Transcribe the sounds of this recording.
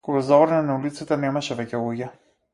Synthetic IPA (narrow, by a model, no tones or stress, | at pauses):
koɡazavɾnanaulit̪sit̪anɛmaʃɛvɛcɛlˠuɟʲɛ